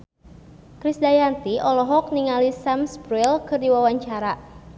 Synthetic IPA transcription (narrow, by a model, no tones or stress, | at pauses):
kɾisdajant̪iʔɔlɔɦɔk̚niŋalisamsbɾilkɨrdiwawaɲt͡ʃaɾa